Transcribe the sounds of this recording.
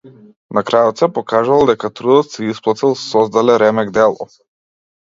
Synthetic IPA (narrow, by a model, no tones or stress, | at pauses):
nakɾajɔt̪sɛpɔkaʒuvalˠd̪ɛkat̪ɾud̪ɔt̪sɛisplˠat̪ilˠsɔzd̪alɛɾɛmɛɡd̪ɛlˠɔ̰